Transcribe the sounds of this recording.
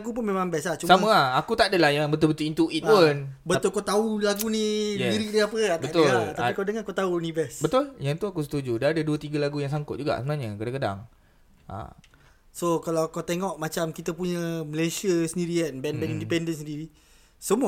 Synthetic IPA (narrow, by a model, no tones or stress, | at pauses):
aɡup̬ʊnmẽmãmbɛsaht͡ʃusaməaakut̪aʔadəlahjaŋbət̪ʊlbət̪ʊlint̪uʔit̪̚punbət̪ʊlkot̪aulaɡuniɛiɾik̚diapəat̪bət̪ʊlat̪apikadəŋankot̪aunivɛsbət̪ʊljaŋt̪uakus̬ə̥t̪ud͡ʒudaadəduət̪iɡəlaɡujaŋs̬aŋkʊt̪̚d͡ʒuɡa̰ʔsəbənaɲəkədaŋkəda̰ŋ | a̰ | sokalakawt̪eŋɔʔmat͡ʃamkit̪əpuɲəməlesiəsəndiɾianbɛnbɛnindipɛndənsəndiɾi | səmuə